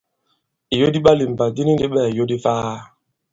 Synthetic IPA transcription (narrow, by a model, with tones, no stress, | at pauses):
i˨jo˦di˦ɓa˦li˨m̩˨ba˨di˦ni˦e˦ɓɛ˦˨i˨jo˦di˦faː˦